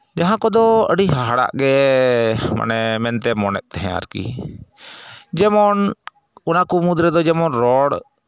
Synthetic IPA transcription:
d͡ʒaɦãkɔd̪ɔəɽiɦaɦaɽa̰ʔɡɛ | ma̰nɛmɛnt̪ɛmɔnɛ̰t̪̚t̪ɛɦɛ̃a̰ɾkḭ | d͡ʒɛmɔn | unakumud̪ɾɛd̪ɔd͡ʒɛmɔnɾɔɽ

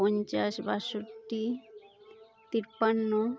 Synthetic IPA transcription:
ɔnt͡ɕaʃbaʃuɾʈi | t̪iɾpanːo

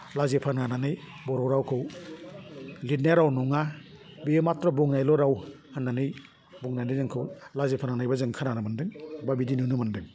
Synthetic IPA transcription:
lazepʰanananɯj | bɔɾɔwɾawkʰɯw | lit̚naɾawnuŋa | biematɾɔbɔŋnajlɔɾaw | hɯnːanɯj | bɔŋnajnɯjzɯŋkʰɯwlazepʰananajbazɯŋkʰananamɯndɯŋbabidinunɯmɯndɯŋ

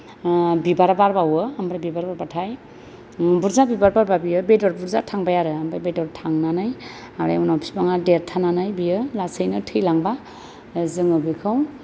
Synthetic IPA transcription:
bibaɾbaɾbawɯambɾajbibaɾbaɾbatʰaj | buɾzabibaɾbaɾbabijɯbedɔɾbuɾzatʰaŋbajaɾɯambɾajbedɔɾtʰaŋnanɯj | aɾḛjunapʰi̥baŋadeɾtʰananɯjbijɯlasɯjnɯtʰɯjlaŋba | zɯŋɯbikʰɯw

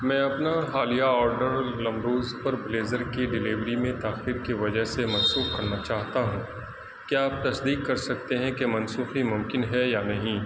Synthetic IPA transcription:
mɛ̃ːɐpnaɦaːlijaɔːɾɖəɾlɐ̃mɾoːzpɐɾbleːzəɾkiɖɪliːʋɾimẽt̪aːxiːɾkiʋɐd͡ʒəɦsemɐ̃nsuːxkɐɾnat͡ʃaːɦt̪aɦũː | kiaːp̚t̪ɐsd̪iːkːɐɾsɐk̚t̪eɦɛ̃kemɐ̃nsuːximʊ̃mkɪnɦɛjanɐɦĩ

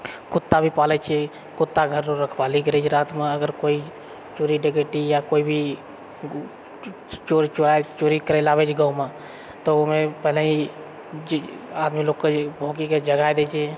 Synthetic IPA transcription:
kʊt̪ːabʱipaːlɛt͡ʃʰe | kʊt̪ːaɡʱəɾd͡ʒoɾəkʰbaːlikəɾet͡ʃʰɾaːt̪mẽəɡəɾkoːi | t͡ʃoːɾiɖɪɡeʈijakoːibʱi | t͡ʃoɾit͡ʃoɾat͡ʃoːɾikəɾɛlaːbet͡ʃʰɡəumã | t̪omẽpɛɦlei | aːd̪miloːɡkebʱoːkiked͡ʒəɡajd̪et͡ʃʰe

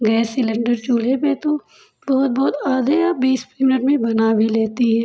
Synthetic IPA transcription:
ɡɛːsɪlɪ̃ɳɖəɾt͡ʃuːɽepet̪o | bɔːt̪̚bɔːt̪aːd̪eabiːspɾimɪnəʈmẽbɐnaːʋileːt̪iɦɛː

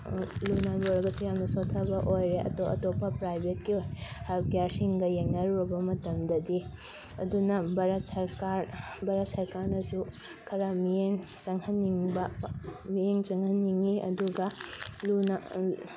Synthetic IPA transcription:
lunadoɾɐɡɐsujamnɐsotʰːɐbɐʔojɾeʔɐ̰toʔɐ̰topːɐpɾajbʱet̚kiojhapkjaɾsiŋɡɐjeŋnɐɾuɾɐbɐmɐtɐmdɐdi | ɐdunɐbɐɾɐtsɐɾkaɾbɐɾɐt̚sɐɾkaɾnɐsu | kʰɐɾɐmijeŋ | t͡ʃɐŋhɐniŋbɐmijeŋt͡ʃɐŋhɐniŋːiʔɐ̰duɡɐluna

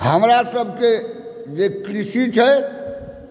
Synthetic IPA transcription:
həmɾasəbʱked͡ʒekɾisit͡ʃʰɛ

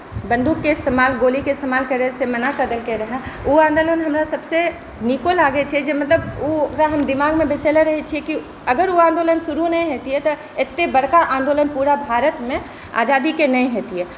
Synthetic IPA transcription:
bə̃nd̪uːkːeɪst̪eːmaːlɡoːlikeɪst̪eːmaːlkɐɾesemɐnasəd̪əlkeɾɐɦɛ̃uãːnd̪oːlənɦɐmɾasɐbse | nikolaːɡet͡ʃʰɛd͡ʒemɐt̪ləbukɾaɦɐmd̪ɪmaːɡmẽbɪselaɾɐɦet͡ʃʰieki | ɐɡəɾuãːnd̪oːlənsʊɾunɐĩɦeːt̪iɦɛt̪o | ɪt̪ːebɐɽkaʔãːnd̪oːlənpuːɾabʱaːɾət̪mẽ | a̰ːd͡ʒaːd̪ikenɐĩɦeːt̪iɦɛː

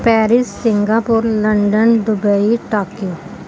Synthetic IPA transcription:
pɛːɾɪsːɪ̃ŋɡapʊɾlɐ̃ɳɖənd̪ʊbəiʈaːkjo

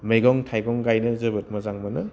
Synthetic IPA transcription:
mejɡɔŋtʰajɡɔŋɡajnɯzɐbɯt̚mɐzaŋmɐnɯ

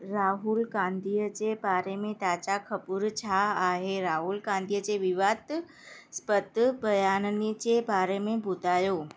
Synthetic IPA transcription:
ɾaɦulɡãnd̪ʱijət͡ɕebaɾemẽt̪at͡ɕakʰəpuɾt͡ɕʰaːɦeɾaɦulɡãnd̪ijət͡ɕeʋɪʋat̪ | spət̪bʱəjannit͡ɕebaɾemẽbʱʊt̪ajo

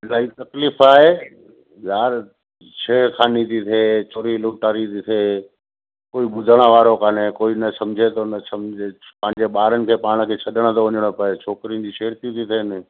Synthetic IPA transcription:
laːit̪ɐkliːfaːɦeː | jaːɾ | ʃeːɾkʰaːnit̪ʰit̪ʰeːt͡ɕoːɾilʊːʈaːɾit̪it̪ʰeː | koːiɓʊd̪ʱəɽ̃əʋaːɾokaːnekoːinɐsɐmd͡ʑʱet̪ʰonɐsɐmd͡ʑepɐ̃ɦɪ̃ɲd͡ʑeɓaːɾənɪ̆kʰeːpaːɽ̃ə̆kʰeːt͡ɕʰɐɗəɽ̃ət̪ʰoʋɐɲəɽ̃əpɐet͡ɕʰoːkɾĩnd͡ʑiʃeːɾt̪it̪ʰit̪ʰenɪ

